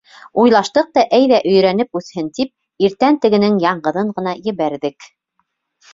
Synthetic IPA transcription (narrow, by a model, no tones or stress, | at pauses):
ujlˠɑʃt̪ɤq̚t̪ɑʔæjðæʔɵ̆jɾænɘpʉθhɘnt̪ip̚ | iɾt̪ænt̪ɘ̆ɡɘ̆nɘŋjɑɴɢɤ̆ðɤɴɢɤ̆n̪ɑjɘ̆βæɾðɘk